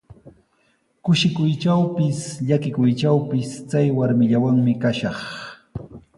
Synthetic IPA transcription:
kʊʃɪkʊjt͡ʃawpɪsʎakɪkʊjt͡ʃawpɪst͡sajwaɾmɪʎawaŋmɪkaʃɑχ

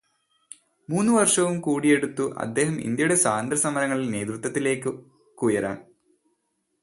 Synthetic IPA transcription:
muːnːuʋɐrʂɐʋumkuːɽije̞ɽut̪ːuʔɐ̰d̪ːe̞ːhɐmḭnd̪jɐjuɽe̞saːnd̪ɾɐsɐmɐɾɐŋːɐɭilne̞ːd̪rut̪ʋɐt̪ːile̞ːkːɨ | kuːjɐɾa̰ːn

